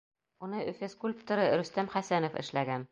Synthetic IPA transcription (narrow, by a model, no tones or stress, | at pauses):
unɤʔɵfʲɘskulʲpt̪ŏɾɤɾɵ̆st̪æmχæsænofɘ̰̆ʃlæɡæn